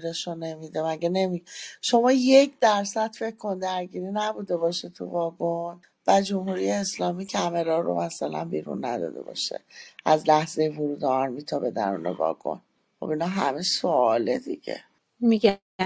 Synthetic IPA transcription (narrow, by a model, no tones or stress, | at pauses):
ɾeʃone̞mid̪emæɟene̞miʃo̞mɒːje̞cʰd̪æɾsæd̪̥fe̞cʰkʰo̞nd̪æɾɟiːɾinæbud̪e̞bɒʃet̪ʰṵvɒːɡon | b̥æd͡ʒo̞mhuɾijeeslɒːmicʰæme̞ɾɒɾo̰mæsælæ̰nbiːɾṵnːæ̰d̪ɒ̰ːd̪e̞̰bɒ̰ʃḛʔæzlæhze̞jevoɾuːd̪eɒɾmiːt̪ʰɒbe̞d̪æ̰nṵːnḛvɒ̰ɡ̥o̰n | χo̞̰binɒɦæ̰mesoɒːled̪ḭɟḛ | miɡæ